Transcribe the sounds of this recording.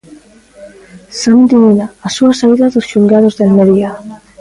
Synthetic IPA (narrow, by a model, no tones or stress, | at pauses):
sand̪iminaːsuasaiðaðosʃuŋɡaðozðelmeðja